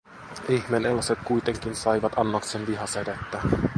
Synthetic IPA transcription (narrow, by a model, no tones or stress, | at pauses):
içmeːnelːɑse̞t̪̚kujt̪e̞ŋk̟insɑjʋɑt̪ɑnːoksenʋiɦɑseɾet̪ːæ